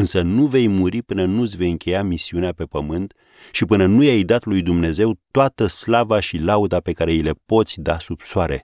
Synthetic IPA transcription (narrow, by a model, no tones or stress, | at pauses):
ɨnsənuve̞jmuɾipɨnənusʲve̞jɨŋkʲe̞jamisiuneape̞pəmɨnt̪ | ʃipɨnənujajd̪at̪lujd̪umne̞ze̞wt̪oat̪əslavaʃilaud̪ape̞kaɾe̞ilepo̞t̪sʲd̪asubsoaɾe̞̰